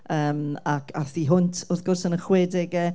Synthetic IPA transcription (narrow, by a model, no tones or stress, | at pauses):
əːmakʰaθiɦʊntʰʊrðɡʊrsənəχwɛdɛɡɛ